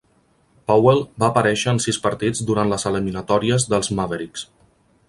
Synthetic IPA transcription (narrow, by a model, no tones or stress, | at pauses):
pawelˠbaːpəɾɛʃəːnsispəɾt̪id͡zd̪uɾant̪ləzəliminət̪ɔɾiəzðəlˠzmaβəɾiks